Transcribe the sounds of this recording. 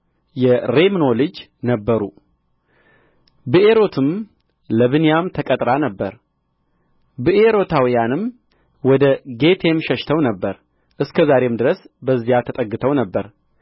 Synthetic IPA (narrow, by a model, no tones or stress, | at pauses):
jɛɾe̞mno̞lɨd͡ʒ | nəbːəɾṵ | bɨʔe̞ɾo̞t̪ʰɨm | ləβɨnjamt̪ʰəkʼət̪ʼɾanəbːəɾ | bɨʔeɾo̞t̪ʰawijanɨm | wɔd̪əɡe̞t̪ʰe̞mʃəʃt̪ʰəwnəbːəɾ | ʔɨskʰəzaɾe̞md̪ɨɾəs | bəzːijat̪ʰət̪ʼəɡːɨt̪ʰəwnəbːəɾ